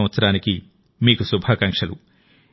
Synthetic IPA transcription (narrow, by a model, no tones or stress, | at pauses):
ʋɐt̪sɐɾaːniki | miːkusubʱakɐŋkʂɐlu